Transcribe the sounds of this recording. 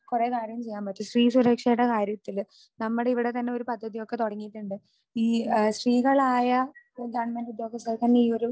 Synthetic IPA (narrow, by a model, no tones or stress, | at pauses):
kure̞ːkaːɾjɐmt͡ɕe̞jːaːmbɐtːɨsriːsuɾɐkʂɐjiɽːɐkaːɾjɐt̪ːil | nɐmːuɽeiʋiɽe̞t̪ɐnːe̞o̞ɾupɐd̪ʱːɐðijo̞kːe̞t̪oɽɐŋːiʈːuɳɖɨ | iːsriːɣɐɭaːjɐ | ɡɐːɳmɐndud̪jo̞ːɡɐst̪ɐlt̪ɐnːeiːo̞ɾu